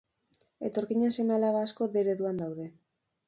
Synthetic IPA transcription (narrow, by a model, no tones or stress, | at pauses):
e̞̰t̪o̞ɾkiɲanse̞mealaβaːsko̞ðe̞ɾe̞ðuand̪awðe̞